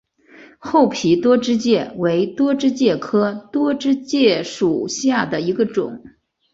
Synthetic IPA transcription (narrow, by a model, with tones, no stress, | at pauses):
xo˥˩ʊpʰi˧˥t̪wɔ˥ʈ͡ʂɻ̩˥t͡ɕjɛ˥˩we˧˥ɪt̪wɔ˥ʈ͡ʂɻ̩˥t͡ɕjɛ˥˩kʰɤ˥t̪wɔ˥ʈ͡ʂɻ̩˥t͡ɕjɛ˥˩ʂu˨˩ɕja˥˩d̪ə˩i˧˥ɡə˧ʈ͡ʂʊ̰˨˩˦ŋ